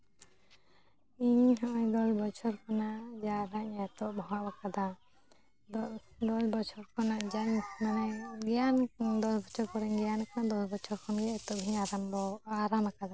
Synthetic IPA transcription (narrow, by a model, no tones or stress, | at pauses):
iɲɦɔʔɔjd̪ɔsbɔt͡ʃʰɔɾkanad͡ʒaɾaɲat̪ɔʔbʱɔwabakad̪a | d̪ɔsbɔt͡ʃʰɔɾkɔnad͡ʒaɲmanɛɡɛjand̪ɔsbɔt͡ʃʰɔɾkɔɾɛɲɡɛjanakanad̪ɔsbɔt͡ʃʰɔɾkʰɔnɡɛɛt̪ɔʔbʱiɲaɾambɔaɾamakad̪a